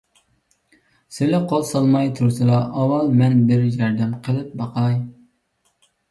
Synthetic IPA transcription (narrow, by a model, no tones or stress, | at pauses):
sɪlɪqʰolˠsɑlˠmɑjt̪ʰuɾsɨlˠɑʔɑwːɑlˠmɛnbɪɾjɑɾd̪ɛmqʰəlˠɨp̚bɑqʰɑj